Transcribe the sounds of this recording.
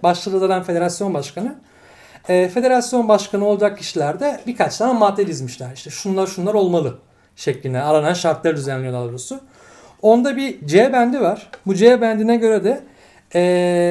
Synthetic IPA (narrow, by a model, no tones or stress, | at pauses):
baʃlˠalˠalˠaɾanfe̞d̪e̞ɾasjo̞nbaʃkʰanɯ | ɛːfe̞d̪e̞ɾasjo̞nbaʃkʰanɯo̞lˠad͡ʒak̚cʰːiʃilʲæɾd̪ɛbikʰat͡ʃt̪ʰaːnamaːt̪ːelʲizmiʃlʲæɾiʃt̪ʰɛʃunlˠaɾʃunlˠaɾo̞lˠmalˠɯ | ʃeclʲind̪ɛaɾananʃaɾt̪lˠaɾd̪yzænlʲːijolˠalˠɾosʊ | o̞nd̪abid͡ʒebænd̪ivaɾ̥bud͡ʒebænd̪inɛɟø̞ɾɛd̪ɛ | ɛː